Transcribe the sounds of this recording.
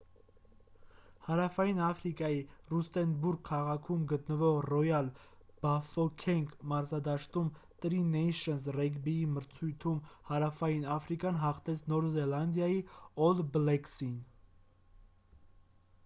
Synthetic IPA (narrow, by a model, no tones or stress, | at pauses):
hɑɾɑfɑjinɑfɾikɑjirust̪ɛnbuɾɡ̚kʰːɑʁɑkʰumɡət̪nəvɔʁrɔjɑl | b̥ɑfɔkʰɛŋkʰmɑɾzɑd̪ɑʃt̪umt̪əɾinɛjʃənzrɛɡbiiməɾt͡sʰujt̪ʰumhɑɾɑfɑjinɑfɾikjɑnɦɑχt̪ʰɛt͡sʰnɔɾzɛlɑnd̪jɑjiɔlblɛksin